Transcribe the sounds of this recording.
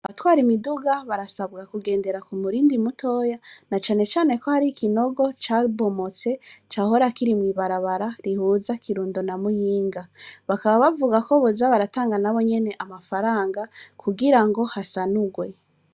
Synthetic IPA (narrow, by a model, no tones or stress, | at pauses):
aβatwaːɾimiduɡaβaɾasabɡakuɡe̞ːnde̞ɾakumuɾiːndimutʰo̞janat͡ʃaːne̞t͡ʃaːne̞ko̞haɾikʰino̞ɡo̞t͡ʃaːβo̞mo̞t͡se̞t͡ʃaːɦo̞ɾakiɾimwiːβaɾaβaɾaɾihuːzakʰiɾuːndonamujiːŋɡaβakaβaβavuɡako̞βozaβaɾataːŋɡanaβo̞ɲe̞ne̞ʔamafaɾaːŋɡakʰuɡiɾaŋɡo̞hasanuɡwe̞